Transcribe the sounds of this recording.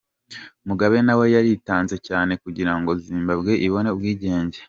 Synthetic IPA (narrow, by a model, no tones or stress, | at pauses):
muɡaβe̞nawe̞jaɾitaːnze̞caːne̞kuɟiɾaŋɡo̞ziːmbabɡe̞ʔiβo̞ne̞ubɡwiːɟe̞ːɲɟe̞̥